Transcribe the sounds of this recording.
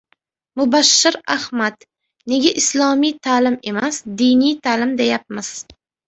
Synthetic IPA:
mʊbaʃːɪɾa̰hmad̪ | ne̞ɡʲaʔɪslˠɒmijt̪ʰaːlɪme̞masd̪ijnijt̪ʰaːlɪmd̪ejap̚mɪz̥

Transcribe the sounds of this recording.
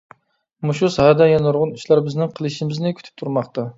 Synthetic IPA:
muʃusɑhɑd̪ɛjɑnuɾʁʊnyʃlæɾbɪznɪŋqʰəlˠɨʃimɪznɪkʲʰy̥t̪ʰy̥p̚t̪ʰuɾmɑχt̪ɑ

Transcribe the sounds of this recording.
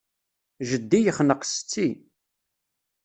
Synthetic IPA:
ʒəd̪ːijəχnəqst͡sːi

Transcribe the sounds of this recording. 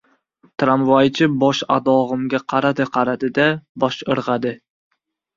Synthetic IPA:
t̪ʰɾamvajt͡ʃʰɪbɒʃa̰d̪ɒʁɨmɡʲaqʰɑɾad̪ɪqʰɑɾad̪ɪd̪abɒʃɨɾʁɑd̪ɪ

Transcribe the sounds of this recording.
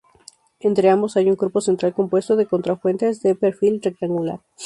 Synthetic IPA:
e̞nt̪ɾe̞ambo̞sajuŋkɾupo̞se̞nt̪ɾalko̞mpwe̞st̪oðe̞ko̞nt̪ɾafwe̞nt̪ezðepeɾfilrek̚t̪aŋɡula̰ɾ

